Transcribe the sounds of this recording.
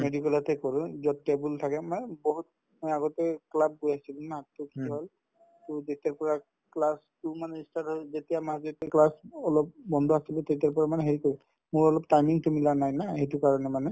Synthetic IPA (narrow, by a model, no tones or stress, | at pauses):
medikɔlatɛkɔɹʊ̃zɔtːebultʰakɛmanbɔɦut̚ | mɔjaɡɔtɛklab̚ɡujaisilunaɦatːʊkiɦɔl | tʊzetiaɹpɔɹa | klastʊmanɛistatɦɔzetijamaszetklasɔlɔpbɔndʱɔasilɛtetjaɹpɔɹamanɛɦeɹikɔɹɛ | mʊɹɔlɔp̚tajmiŋtʊmilanajnahejtukaɹɔnɛmanɛ